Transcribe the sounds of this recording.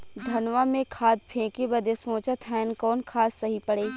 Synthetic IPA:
d̪ʱɐnʋamẽkʰaːd̪̚pʰẽːkebɐd̪esõːt͡ʃat̪ʰɦɛːnkɔːnkʰaːsːɐɦipɐɽeː

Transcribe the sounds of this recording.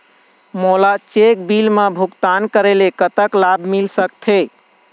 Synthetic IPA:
molat͡ʃek̚bilmebʱukt̪ankəɾelekət̪əklabʱmilsəkt̪ʰe

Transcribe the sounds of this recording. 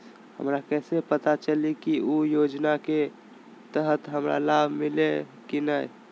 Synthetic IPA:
hə̰mɾakɛːsepət̪at͡ʃəlikiujod͡ʒnake | t̪əɦət̪ɦəmɾa̰labʱmile | kinəj

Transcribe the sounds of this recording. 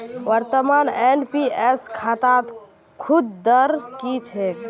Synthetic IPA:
ʋəɾt̪əmanenpieskʰat̪at̪ | kʰud̪d̪əɾkit͡ʃʰɛ

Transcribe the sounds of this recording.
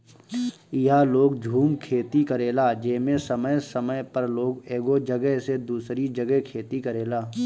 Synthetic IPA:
ɪaloːɡd͡ʒʱuːmkʰeːt̪ikəɾeːlaːd͡ʒeːmẽsəməjsəməjpəɾloːɡeːɡod͡ʒəɡɛɦsed̪uːsɾid͡ʒəɡɛɦkʰeːt̪ikəɾeːlaː

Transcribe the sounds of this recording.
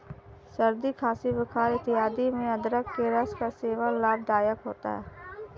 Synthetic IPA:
səɾd̪ikʰaːsiʋɪkʰaːɾɪt̪ɪɦaːd̪imẽɐd̪ɾəkkeɾəskaseːʋalaːb̚d̪aːjəkɦoːt̪a̰ɦɛ̰ː

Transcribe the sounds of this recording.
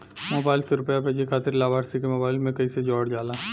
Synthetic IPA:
moːbaːɪlseɾʊpjapɛːd͡ʒikʰaːt̪ɪɾlaːbaːɽsikemoːbaːɪlmẽkɐised͡ʒɔːɽd͡ʒaːlaː

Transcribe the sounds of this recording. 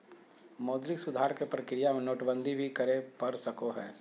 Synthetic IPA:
mɔːd̪lɪksʊd̪ʱaːɾkepɾɐkɾijamẽnoːʈbə̃nd̪ʱibʱikɐɾepɐɾsɐkoɦɛː

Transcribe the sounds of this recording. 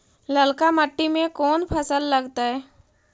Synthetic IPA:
ləlkaməʈːimẽkɔːnpʰəsəlːəɡt̪aɦɛː

